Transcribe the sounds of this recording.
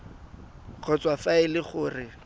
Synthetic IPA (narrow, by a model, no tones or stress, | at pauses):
q͡χʰɔt͡swafaɪlɪχʊːrɪ